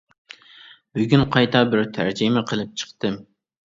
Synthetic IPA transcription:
b̥yɡʲynqʰɑjt̪ʰɑbɪɾt̪ʰæ̰ɾd͡ʒɪmɪqʰəlˠɨp̚t͡ʃʰə̥χt̪ɨ

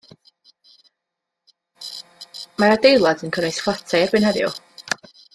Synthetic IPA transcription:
maɾadejlˠadənkʰənejsflˠatʰajrbɪnhɛðjɔ̰

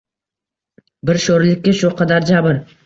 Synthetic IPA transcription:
bɪɾʃoɾlɪkʲːaʃʊqʰɑd̪aɾd͡ʒabʊɾ

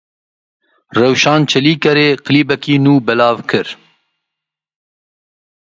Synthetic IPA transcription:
rɛwʃɑːnt͡ʃʰɛliːkɛɾeːqɨliːbɛkiːnuːbɛlɑːvkʰɨɾ

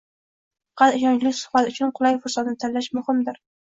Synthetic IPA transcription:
qʰɑlɪʃɒnt͡ʃlɪkʲsʊ̥χbat̪ʊt͡ʃʰʊnqʰʊlˠajfʊɾsat̪nɪt̪ʰallːaʃmʊhɪmd̪ɪɾ

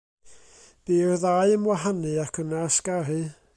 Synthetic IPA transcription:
b̥iːrðaɨəmwaɦanɨakʰənasɡarɨ

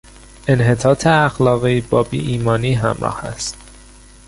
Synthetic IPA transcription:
e̞nɦe̞t̪ʰɒːt̪ʰeæxlɒːɣiːbɒːbḭːʔiːmɒːniːɦæmɾɒ̰ːhæ̰st̪

